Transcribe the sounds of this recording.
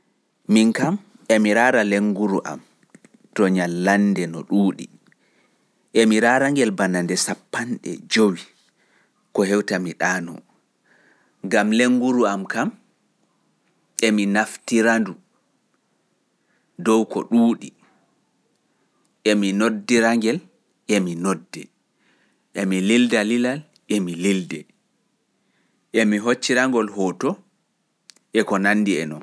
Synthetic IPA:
miŋkam | ɛmiɾaːɾaleŋːɡuɾuʔa̰m | tɔɲalːandɛnɔ̰ɗuːɗḭ | ʔɛmiɾaːɾaŋɡɛlbanandɛsapːanɗɛ̰d͡ʒowi | kɔhɛwtamiɗaːnɔ̰ | ŋɡamleŋːɡuɾuamkam | ɛminaftiɾandu | dɔwkɔ̰ɗuːɗi | ʔɛminodːiɾaŋɡɛl | ʔɛminodːɛ | ʔɛmilildalilal | ʔemilildɛ | ʔɛmiɦot͡ʃːiɾaŋɡɔlhɔtɔ | ʔɛkɔnanːdiɛ̰nɔn

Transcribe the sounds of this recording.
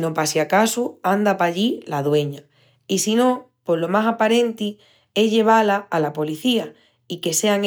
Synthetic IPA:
no̞pasjakasuand̪apaʎilaðwe̞ɲa | isino̞po̞lo̞masapaɾẽ̞nt̪i | e̞zʎe̞β̞alaːlapo̞liθia | ike̞se̞aŋ

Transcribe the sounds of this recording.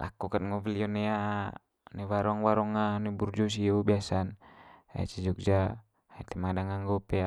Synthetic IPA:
lʔa̰kukanŋɔviliɔnɛa | nɛwaɾɔŋwaɾɔŋanɛburd͡ʒɔs̬iɔbiasana̰t͡ʃid͡ʒɔk̚d͡ʒa | ait̪ɛmadaŋaŋɡɔpɛa

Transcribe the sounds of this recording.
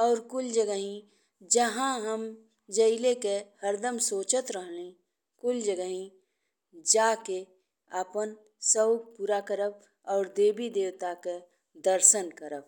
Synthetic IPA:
ɔːɾkʊld͡ʒəɡəɦĩ | d͡ʒəɦãɦəm | d͡ʒəɪlekehəɾd̪əmsoːt͡ʃət̪ɾəɦlẽ | kʊld͡ʒəɡəɦĩ | d͡ʒaːke | apən | səwɡ̚puːɾakəɾəb̚ | ɔːɾd̪eːbid̪eːwt̪ake | d̪əɾʃənkəɾəb̚

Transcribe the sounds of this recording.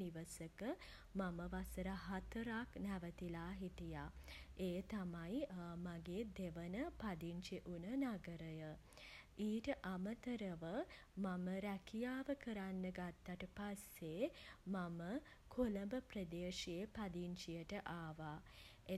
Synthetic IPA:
niʋəsəkə | maməʋasəɾaɦat̪əɾaknæʋət̪ilaːɦit̪ijaeːt̪amajmaɡeːd̪eʋənəpad̪iɲt͡ʃiʔunənaɡəɾəjə | iːʈəʔamət̪əɾəʋə | maməɾækʰijaːʋəkəɾanːəɡat̪ːaʈəpasːemamə | kʰoləmbəpɾəd̪eːʃijepad̪iɲt͡ʃijəʈəʔaːʋa | e

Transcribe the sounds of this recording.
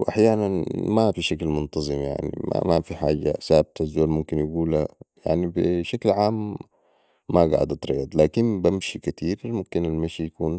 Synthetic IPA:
wʔaħjaːnanmafiʃaklmʊnt̪ɑzˤɨmja̰ʕnḭma̰mafiħaːɟa̰saːb̚t̪azːoːlmʊmkɪnjaɡuːlaja̰ʕnibiʃaklʕaːmː | aɡa̰ʕd̪ɑt̪ɾɑ̰jɑd̪ˤlaːkinbamʃikat̪iːɾmʊmkinalmaʃijakuːn

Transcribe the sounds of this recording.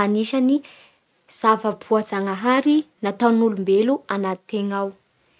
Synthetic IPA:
aniʃani | z̥avəpʰuazaŋaɦaɾinat̪awnulumbeluanat̪t̪ːeŋaw

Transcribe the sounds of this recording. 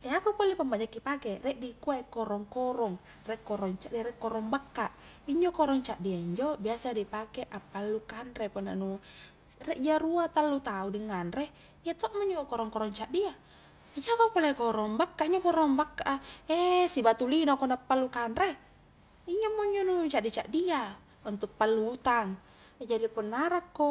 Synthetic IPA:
ɛakupɔlipambad͡ʒakːipakɛrɛʔdikuaikɔɾɔŋkɔɾɔŋ | rɛkːɔɾɔŋt͡ʃadiɾɛkːɔɾɔŋbakːaʔ | iɲd͡ʒɔkɔɾɔŋt͡ʃaʔdiaiɲd͡ʒɔbiasadipakɛʔapːalːukanɾepɔna̰nu | rɛʔd͡ʒaɾuat̪alːut̪audiŋːanre | iat̪ɔʔmɔiɲd͡ʒokɔɾɔŋkɔɾɔŋt͡ʃaʔdia | d͡ʒapapolakɔɾɔŋbakːaiɲd͡ʒokɔɾɔmbakːaʔaesibat̪ulinokɔnapːalːukanɾe | iɲd͡ʒamːɔɲd͡ʒɔnut͡ʃaʔdit͡ʃaʔdia | unt̪uk̚palːuːt̪aŋ | d͡ʒadipɔnːaɾakːo

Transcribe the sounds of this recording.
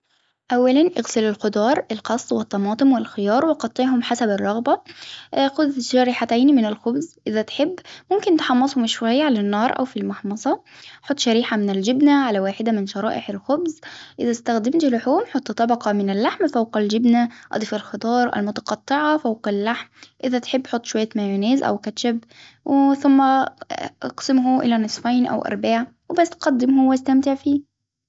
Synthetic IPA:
ʔæwːælænʔeɣsɪlɪlxʊd̪ˤɑːɾˤʔɪlqɑsˤt̪ˤwɪt̪ˤːɑmɑːt̪ˤomwɪlxɪjɑːɾˤwʔqɑt̪ˤːeʕɦʊmħasæbɪrˤːɑɣbɑ | xʊd̪ʃæɾiːħat̪æːnimɪnɪlxʊbzʔɪðæt̪ħebːmʊmkɪnt̪ħɑmːɑsˤhʊmʃwæjːaʕalænːɑːɾˤʔæ̰wfilmɑħmɑsˤɑħot̪ːˤʃæɾiːħamɪnɪld͡ʒɪbnæʕalæwaːħɪd̪æmɪnʃɑɾˤɑ̰ːʔɪħɪlxobzʔɪðæst̪æxd̪ɪmt̪lʊħuːmħot̪ˤːt̪ˤːɑbɑqɑmɪnɪlːaħmfawqald͡ʒɪbnæʔɑ̰d̪ˤifalxɑd̪ˤɑːɾˤʔæ̰lmʊt̪ɑ̥qɑt̪ˤːɪʕɑfawqalːaħmʔɪðæt̪ħebːħot̪ˤːʃwæjːæmæjʊneːzʔæ̰wkæt͡ʃæb | wʔθʊmːæʔɑ̰qsɪmhʊʔɪ̰lænɨsˤfɑjnʔæ̰wʔɑ̰ɾˤbaːʕawɪbæst̪qɑd̪ːɪmhʊwʔæst̪æmt̪ɪʕfiː

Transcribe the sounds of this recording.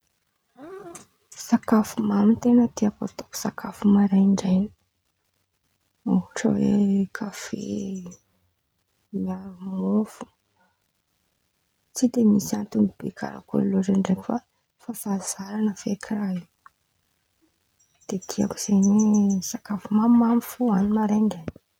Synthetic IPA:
sakafumamit̪enət̪iaka̰t̪o̥ku̥sakʰafumaɾajɳɖ͡ʐajni̥ | oʈ͡ʂa̰wekʰafḛ | miamofu̥ | t͡sid̪emisiant̪umib̥ḛkʰa̰ɾa̰ko̰lloʈ͡ʂaɳɖ͡ʐekʲufa | fafaz̥aɾanəfekʰiraɦi | d̪̥et̪ʰia̰ku̥z̥enesakafumamamifuanimaɾajɳɖ͡ʐajni̥

